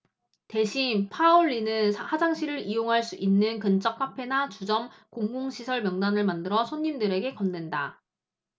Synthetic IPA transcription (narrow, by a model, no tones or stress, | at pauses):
te̞ɕʰipʰaoɭːinɯnsʰhad͡ʑaŋɕʰiɾɯɾijoŋɦaɭs͈uʔinːɯnkɯnt͡ɕ͈ʰʌk̚k͈apʰe̞nat͡ɕud͡ʑʌmkoŋɡoŋɕʰisʰʌɭmjʌŋnanɯɭmandɯɾʌsʰoɲːimdɯɾe̞ɡe̞kʌnːwenda